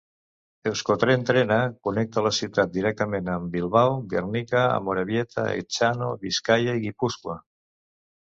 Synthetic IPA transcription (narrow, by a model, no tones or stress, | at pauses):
elskot̪ɾent̪ɾenakunek̚t̪alasiwt̪at̪̚d̪iɾɛk̚t̪əmenambilˠβawɡeɾnikaa̰moɾaβjet̪ʰa̰ḛt͡ʃanoβiskajaiɣipuskwa